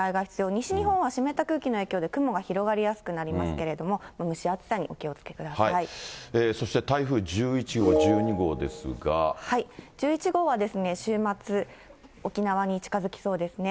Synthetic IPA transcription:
aiɡaçʲi̥t͡sɨjo̞ːɲ̟iɕiɲ̟ihõ̞ɰ̃βaɕime̞t̪akɯ̟ːkʲino̞e̞ːkʲo̞ːd̪e̞kɯ̟mo̞ɡaçiɾo̞ɡaɾʲijasɨ̥kɯ̟naɾʲimasɨ̥ke̞ɾe̞d̪o̞mo̞mamɯ̟ɕiat͡sɨ̥saɲ̟iʔo̞kʲio̞t͡sɨ̥ke̞kɯ̟d̪asaiaieːso̞ɕi̥t̪e̞t̪aiɸɯ̟ːd͡ʑɨːit͡ɕiɡoːʑɨːɲiɡo̞ːd̪e̞̰sɨ̰ɡa̰haid͡ʑɨːit͡ɕiɡo̞ːβad̪e̞sɨne̞ɕɨːmat͡sɨo̞kʲinaβaɲ̟it͡ɕi̥kazɨkʲi̥so̞ːd̪e̞sɨne̞

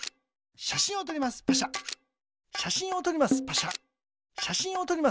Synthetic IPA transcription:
ɕaɕĩo̞t̪̬oɾʲimasɨ̥paɕa | ɕaɕĩo̞t̪o̞ɾʲimasɨ̥paɕa | ɕaɕĩɰ̃o̞t̪o̞ɾʲima

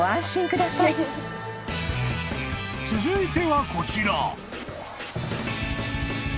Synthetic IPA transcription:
ãɰ̃ɕĩŋkɯ̟d̪asai | t͡sɨzɨit̪e̞βako̞t͡ɕiɾa

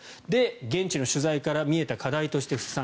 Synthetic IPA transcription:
d̪e̞ɡẽ̞ɲt͡ɕino̞ɕɨzaikaɾamʲie̞t̪akad̪ait̪o̞ɕi̥t̪eɸɯ̟sɨ̥sã

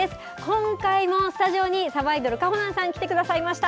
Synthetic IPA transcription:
esɨ̥ | kõ̞ŋkaimo̞sɨ̥t̪aʑio̞ɲ̟isaβaid̪o̞ɾɯ̟kahonãɰ̃sãŋkʲi̥t̪e̞kɯ̟d̪asaimaɕi̥t̪a

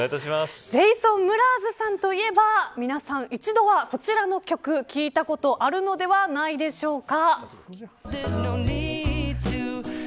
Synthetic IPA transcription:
t̪aɕimasze̞isõ̞mːɯ̟ɾaːzɨsãnt̪o̞ie̞bamʲinasãɰ̃it͡ɕid̪o̞βako̞t͡ɕiɾano̞kʲo̞kɯ̟kʲiːt̪ako̞t̪o̞ʔaɾɯ̟no̞d̪e̞βanaid̪e̞ɕo̞ːka | ðznonid̚tʰɨ

